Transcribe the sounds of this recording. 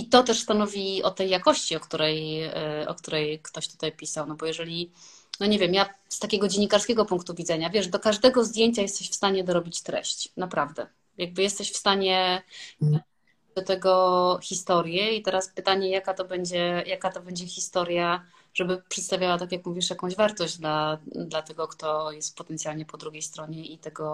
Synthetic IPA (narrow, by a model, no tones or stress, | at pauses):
it̪ɔt̪ɛʂst̪anɔvʲiɔ̰t̪ːɛjːakɔɕt͡ɕiɔkt̪uɾɛjɔ̰kt̪uɾɛjkt̪ɔɕt̪u̥t̪ajpʲisawnɔbɔjɛʐɛlʲi | nɔɲɛvʲjɛmjast̪akʲɛɡɔd͡ʑenɲːikaɾskʲɛɡɔpuŋkt̪uvʲid̪zɛɲavʲjɛʂd̪ɔkaʐd̪ɛɡɔzd̪ʲjeɲt͡ɕajɛst̪ɛɕfst̪aɲɛd̪ɔɾɔbʲit͡ɕt̪ɾɛ̰ɕt͡ɕnapɾavd̪ɛ̰ | jaɡ̚bɘjɛst̪ɛɕfst̪aɲɛ | d̪̥ɔt̪ɛɡɔxʲist̪ɔɾjɛit̪ɛɾaspɘt̪aɲɛjakat̪ɔbɛɲd͡ʑɛjakat̪ɔbɛɲd͡ʑɛxʲist̪ɔɾja | ʐɛbɘpʂɛt̪st̪avjawat̪ak̬ʲjakmuvʲiʂjakɔ̃w̃ʑvaɾt̪ɔʑd͡ʑd̪lad̪lat̪ɛɡɔkt̪ɔjɛst̪̚pɔt̪ɛntsʲjalɲɛpɔd̪ɾuɡʲejst̪ɾɔɲɛit̪ɛɡɔ